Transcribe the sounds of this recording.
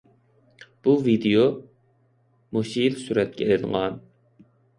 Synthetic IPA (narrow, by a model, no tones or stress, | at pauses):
b̥uvid̪ejo | moʃilsuɾɛt̪̚kʲʰɛelɪnʁɑn